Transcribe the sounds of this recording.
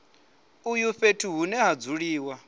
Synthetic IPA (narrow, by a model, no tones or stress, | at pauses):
ujuɸetʰuɦunɛɦad͡zuɺiːwa